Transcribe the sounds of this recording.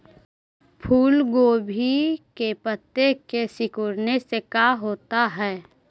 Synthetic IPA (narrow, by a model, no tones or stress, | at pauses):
pʰuːlɡoːbʱikepət̪ːekesɪkʊɾnesekaːɦoːt̪aɦɛː